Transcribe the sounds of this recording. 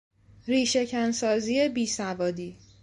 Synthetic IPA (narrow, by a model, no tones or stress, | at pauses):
ɾiːʃe̞cʰænsɒːziːe̞biːsævɒːd̪iː